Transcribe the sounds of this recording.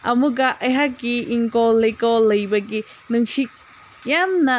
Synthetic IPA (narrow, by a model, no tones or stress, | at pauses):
ɐmuɡɐʔɐjɦakːiiŋkɔlːejkɔlɐjbɐɡinɯŋsik̚ | jamnɐ